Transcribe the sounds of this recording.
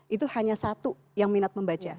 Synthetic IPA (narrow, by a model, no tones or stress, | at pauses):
ʔit̪̬uhaɲasat̪u | jaŋminat̪̚məmbat͡ʃa